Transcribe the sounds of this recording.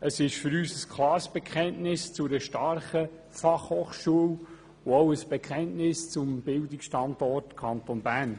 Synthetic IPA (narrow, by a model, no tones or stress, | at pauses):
əsɪʃfʏɾyːsəskʰlɑːɾsb̥ɛkʰχɛntnɪst͡sʊɾəʃtɑɾχə | fɑχhoːχʃuəw | ʊowəsb̥ɛkʰχɛntnɪst͡sʊmb̥ɪldɪksʃtɑndɔrtkʰɑntonbæːn